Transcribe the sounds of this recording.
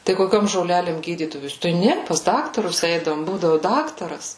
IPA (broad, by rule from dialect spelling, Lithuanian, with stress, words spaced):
tɐɪ koːˈkʲoːm ʒoːˈlʲæːlʲeːm ˈɡʲiːdʲiːdɐʋoːs tɐɪ ˈnʲɛ pɐs ˈdɑːktɐrʊs ˈɛɪdɐʋoːm ˈbuːdɐʋʊ ˈdɑːktɐrɐs